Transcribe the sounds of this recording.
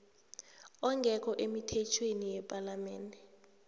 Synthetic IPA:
ɔŋɡʱɛk̬ʰʼɔʔemitʰɛt͡ʃʰwenijɛpʼalamɛːndʱɛ

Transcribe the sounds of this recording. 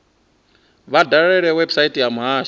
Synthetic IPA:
βadaɾɛɺɛwɛbsaitʼijamuɦaːʃ

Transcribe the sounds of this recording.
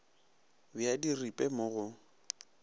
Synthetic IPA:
bɪadiripʼɛmʊɣʊ

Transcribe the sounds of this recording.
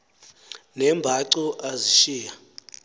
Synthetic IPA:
nɛmbʱaǀɔʔaziʃiːja

